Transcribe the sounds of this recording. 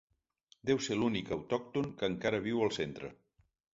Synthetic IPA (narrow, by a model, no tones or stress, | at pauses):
d̪ɛwselunikəwt̪ɔk̚t̪uŋkəŋkaɾəβ̞iwəlˠsent̪ɾə̰